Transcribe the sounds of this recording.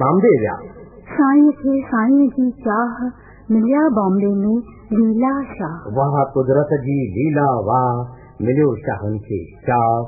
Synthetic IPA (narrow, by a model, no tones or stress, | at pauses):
mãːmd̪eːʋja̰ː | sãːĩːkʰeːsãːĩd͡ʑiːt͡ʃaːɦ | mɪljaːbãːmɖeːnũː | liːlaːʃaːɦʋaːɦkʊd̪ɾət̪d͡ʑiːliːlaːʋaː | mɪljoːʃa̰ːɦənkʰḛːt͡ʃaː